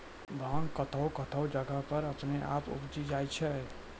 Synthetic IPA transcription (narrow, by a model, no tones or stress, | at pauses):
bʱãŋkət̪ʰəʊkət̪ʰəʊd͡ʒəɡəɦpəɾəpneʔa̰pṵbd͡ʒid͡ʒajt͡ʃʰɛ